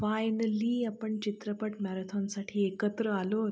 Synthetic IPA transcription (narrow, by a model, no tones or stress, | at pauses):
fajnəliːapəɳt͡ɕit̪ɾəpəʈmaɾət̪ʰonsaʈʰiːekət̪ɾəalot̪